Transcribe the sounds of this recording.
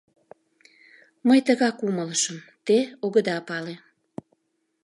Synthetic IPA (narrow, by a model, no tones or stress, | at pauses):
məjt̪əɣɑkumələʃəmt̪eoɣəd̪ɑpɑle